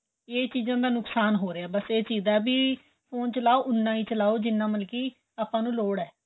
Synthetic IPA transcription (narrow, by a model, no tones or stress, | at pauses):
eːt͡ʃiːzãːd̪aːnʊksaːnɦoːɾeaːbəseːt͡ʃiːzaːbiː | pʰoːnt͡ʃəlaːoːʔʊnːãːiːt͡ʃəlaːoːd͡ʒɪnːãːməlkiː | aːpãːnũːloːɽɛː